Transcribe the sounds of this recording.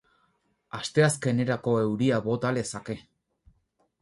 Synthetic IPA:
ast̪e̞aske̞ne̞ɾako̞e̞wɾiaβo̞t̪alesake̞

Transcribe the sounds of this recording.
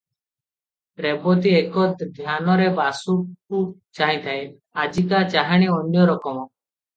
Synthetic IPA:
ɾɛbɔt̪iekɔd̪ʱjanɔɾebasukut͡ʃaɦĩt̪ʰae | ad͡ʒikat͡ʃaɦaɽ̃iɔnjɔɾɔkɔmɔ

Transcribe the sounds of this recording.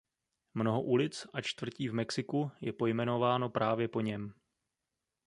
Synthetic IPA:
mno̞ɦo̞ʔulɪt͡sʔat͡ʃt̪vr̩ciːvmɛksɪkujɛpo̞jmɛno̞vaːno̞pɾaːvjɛpo̞ɲɛm

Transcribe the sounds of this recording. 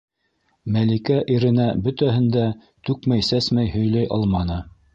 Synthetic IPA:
mælikæʔiɾɘ̆næbɵ̆t̪æhɘ̆nd̪æ | t̪ʉkmæjsæsmæjhɵ̆jlæjʔɑ̰lˠmɑnɤ

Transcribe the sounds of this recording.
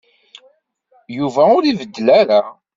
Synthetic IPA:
juvæʊɾivəd̪ːəlæɾa

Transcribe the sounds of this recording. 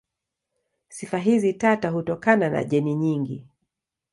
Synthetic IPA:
sifaɦizitatahutɔkanana̰ʄɛniɲiŋɡi

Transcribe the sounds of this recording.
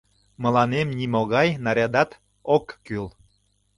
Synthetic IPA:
mə̆lɑnemnimoɣɑjnɑɾʲɑd̪ɑt̪ | okːyl

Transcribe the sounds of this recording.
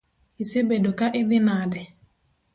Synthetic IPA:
isebedokaʔɪðɪnadɛ

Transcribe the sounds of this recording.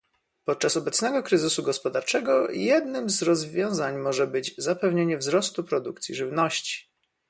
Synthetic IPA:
pɔt̪̚t͡ʂasɔbɛt̪snɛɡɔkɾɘzɘsuɡɔspɔd̪aɾt͡ʂɛɡɔjɛd̪nɘmzɾɔzvʲjɔ̃w̃zaɲmɔʐɛbɘd͡ʑzapɛvɲeɲɛvzɾɔst̪upɾɔd̪ukt̪sʲjiʐɘvnɔɕt͡ɕi̥

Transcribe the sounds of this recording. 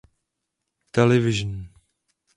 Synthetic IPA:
t̪ɛlɛvɪʒn

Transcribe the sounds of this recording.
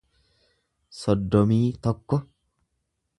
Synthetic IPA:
sɔd̪ːɔmiːt̪ɔkːɔ

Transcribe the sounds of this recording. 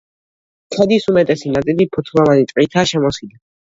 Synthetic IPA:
kʰɛd̪isumɛt̪ʼɛsinat̪sʼilipʰɔt̪ʰlˠɔvanit̪ʼit̪ʰaʃɛmɔsila

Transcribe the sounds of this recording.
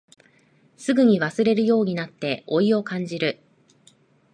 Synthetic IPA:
sɨɡɯ̟ɲ̟iβasɨɾe̞ɾɯ̟jo̞ːɲ̟inat̪ːe̞o̞io̞kãɲ̟d͡ʑiɾɯ̟

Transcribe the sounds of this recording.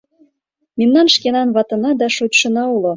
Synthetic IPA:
memnɑnʃkenɑnβɑt̪ɤ̆nɑd̪ɑʃut̪ʃɤ̆nɑulŏ

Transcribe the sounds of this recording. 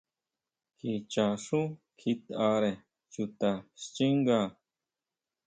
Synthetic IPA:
kʰit͡ɕaːʂũ | kʰit̪aːɾe | t͡ɕut̪aɕt͡ɕiŋɡa

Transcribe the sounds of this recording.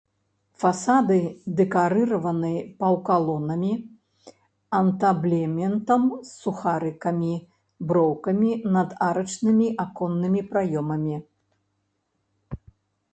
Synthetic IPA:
fasad̪ɨd̪ɛkaɾɨɾɐvɐnɨɐpɐwkalˠɔnɐmʲi | ɐnt̪ablʲɛmʲɛnt̪ɐmsːuxaɾɨkɐmʲi | bɾɔwkɐmʲinɐd̪aɾɐt͡ʂnɨmʲiʔakɔnːɨmʲipɾajɔmɐmʲi

